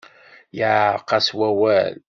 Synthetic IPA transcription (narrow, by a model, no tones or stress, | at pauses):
jəʕqːɑswæwæl